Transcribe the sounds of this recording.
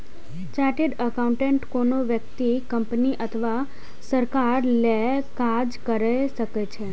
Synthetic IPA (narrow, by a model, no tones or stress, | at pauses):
t͡ʃaɾʈiɖəkaũɳʈẽɳʈkonoʋjək̚t̪ikəmpniʔət̪ʰəʋa | səɾkaɾlekad͡ʒkəɾajʃəket͡ʃʰe